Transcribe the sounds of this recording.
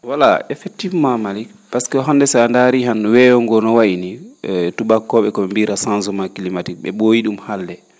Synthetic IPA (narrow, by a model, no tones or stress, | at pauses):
wala̰ɛfɛk̚tːifmamali | paskɛɔɦandɛsandaɾiɦanwɛjɔŋɡɔnɔwaʔinituɓakːɔɓɛkɔɓɛmbiɾasanzɔmakilimatik̚ɓɛ̰ɓojiɗumhalːɛ